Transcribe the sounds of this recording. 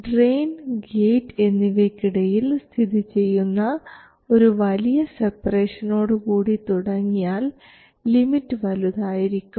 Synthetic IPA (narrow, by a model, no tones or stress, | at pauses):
ɖreːnɡeːʈːe̞nːiʋekːiɽɐjilst̪ʰiðit͡ɕe̞jːunːɐ | o̞ɾuʋɐlijɐsepːreːʂɐno̞ːɽɨkuːɽit̪uɽɐŋːijaːlː | imitːɨʋɐluðaːjiɾikʲːumm